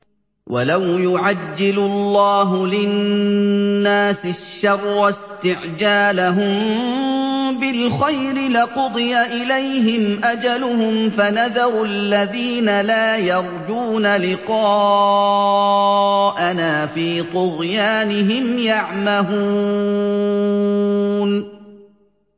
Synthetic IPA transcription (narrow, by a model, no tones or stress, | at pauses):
wʔa̰lawjʊʕad͡ʒːɪlʊlːɑːɦʊlɪ | aːsɪʃːɑrˤːɑst̪ɪʕd͡ʒaːlaɦʊm | bɪlxajɾɪlɪqʊd̪ˤɨjaʔɪlajɦɪmʔad͡ʒalʊhʊmfanaðɑɾˤʊalːaðiːnalaːjɑɾˤd͡ʒuːnalɪqɑː | ʔanaːfiːt̪ˤʊɣjaːnɪɦɪmjaʕmahu | n